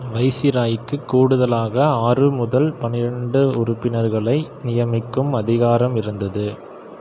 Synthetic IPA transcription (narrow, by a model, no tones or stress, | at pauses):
ʋɐɪsɪɾaːjɪkːɯkːuːɽɯðɐlaːɣɐaːrɯmʊðɐlpɐnɪɾɐɳɖɯʊrʊpːɪnɐɾɣɐɭɐɪnɪjɐmɪkːɯmɐðɪɣaːɾɐmɪɾɯnd̪ɐðɯ